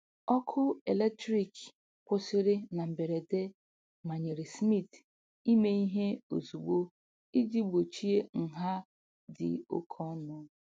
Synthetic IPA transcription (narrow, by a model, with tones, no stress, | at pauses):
ɔ˦kʰʊ˦e˨le˦k̚tɾi˦k | pʊ˦sɪ˦ɾɪ˦na˨m̩˨be˨ɾe˨de˦ | ma˨ɲe˨ɾɪ˨smi˦˨t | i˦me˦i˦ɦe˦o̰˨zu˨ɡ͡bo˦ | i˦di˦ɡ͡bo˨t͡ʃi˦e˦ŋ̩˨ɦa˦ | dɪ̰˨o̰˦kʰɔ˦nɔ˦